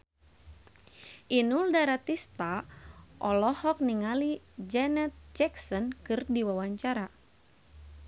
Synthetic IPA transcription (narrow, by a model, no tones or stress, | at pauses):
ʔinuldaɾat̪ist̪aʔɔlɔhɔk̚niŋali | d͡ʒɛnɛt̪̚d͡ʒɛksɔnkɨrdiwawaɲt͡ʃaɾa